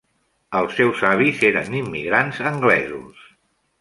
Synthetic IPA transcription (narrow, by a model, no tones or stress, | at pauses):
əlˠsɛwsaβizeɾə̰nimːiɣɾanzəŋɡlɛzṵs